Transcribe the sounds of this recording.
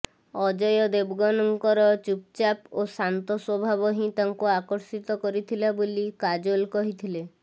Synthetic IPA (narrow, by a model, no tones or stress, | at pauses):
ɔd͡ʒɔjɔd̪ebɡɔnɔŋkɔɾɔt͡ʃup̚t͡ʃaposant̪ɔswɔbʱabɔɦĩt̪aŋkuakɔɾsit̪ɔkɔɾit̪ʰilabolikad͡ʒolkɔɦit̪ʰile